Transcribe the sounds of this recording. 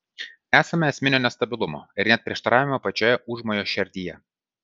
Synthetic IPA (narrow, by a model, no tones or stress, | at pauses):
æːsɐmʲɛɛsʲmʲɪnʲoːnʲɛst̪ɐbʲɪlˠʊmo̰ːɪɾnʲɛt̪̚pʲɾʲiɛʃt̪ɐɾɑːʋʲɪmɐpɐt͡ʃʲoːjɛʊʒmoːjoːʃʲɛɾʲd̪ʲiːjɛ